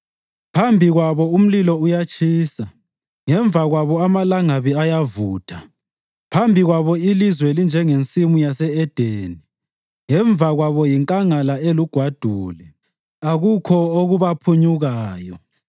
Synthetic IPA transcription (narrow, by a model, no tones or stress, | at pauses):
pʰambʱiɣwaβɔum̩lilɔujat͡ʃʰʼiːsa | ŋɛɱvʱaɣwaβɔamalaŋaβiajavuːtʰa | pʰambʱiɣwaβɔilizwelind͡ʒʱɛŋent͡sʼimujasɛɛd̥ʱeːni | ŋɛɱvaɣwaβɔjiŋkʼaŋalaeluɡ̥ʱwad̥ʱuːlɛ | aɣukʰɔoɣuβapʰuɲuɣaːjɔ